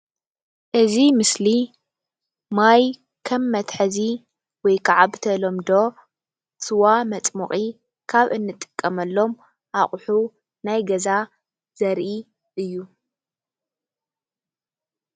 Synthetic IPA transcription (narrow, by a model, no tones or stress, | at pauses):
ʔɨzimɨsli | maj | kʰɐmːɐt̪ħɐzi | wɔjkʰaʕaβt̪ʰɐlo̞md̪o̞ | sɨwamɐt͡sʼmuχʼi | kʰaβʔɨnːɨt̪ʼɨ̥kʼːɐmɐlːo̞m | ʔaχʼħu | najɡɐza | z̥ɐɾʔi | ʔɨjːu